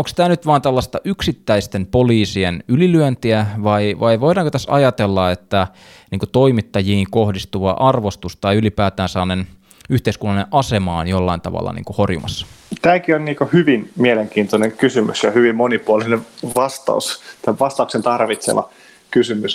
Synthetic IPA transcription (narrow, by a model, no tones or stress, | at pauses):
oŋkst̪æːnyt̪ʋɑːnt̪ælːɑst̪ɑʔyksit̪ːæist̪empoliːsienylilyønt̪iæʋɑiʋɑiʋoidɑːŋkot̪æsɑ̰jɑt̪elːɑet̪ːæ | niːŋkut̪o̞imit̪ːɑjiːŋko̞hdist̪uʋɑ̰ʔɑrʋost̪ust̪ɑiylipæːt̪æːnsɑːnen | yht̪eiskunːɑlinẽʔʔɑsemɑːnjolːɑint̪ɑ̰ʋɑ̰lːɑ̰nḭːŋkuhorjṵmɑsːɑ̥t̪æːkionniːkohyʋinmieleŋkiːnt̪oneŋkysymysjɑhyʋimmonipuoliineʋɑst̪ɑ̰ust̪æʋɑst̪ɑuksent̪ɑrʋit̪sḛlɑ̰ | kysymys